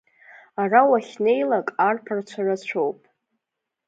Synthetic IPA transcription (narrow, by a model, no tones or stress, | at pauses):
arawaχʲne̞jlakʼarpʰart͡ɕʷʰarat͡ɕʷʰowpʼ